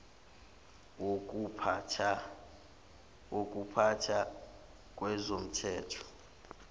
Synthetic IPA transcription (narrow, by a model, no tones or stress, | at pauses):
wopʰ | wok̬ʼupʰatʰa | k̬ʼwɛzom̩tʰɛːtʰɔ̥